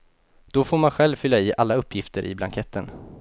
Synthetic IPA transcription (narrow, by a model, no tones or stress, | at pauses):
d̪̥ɔfoːɾmanɧɛlvfʏlːaɪːʔalːaɵpʰːjɪft̪ʰəɾʔɪ̰bla̰ŋkʰɛt̪ːən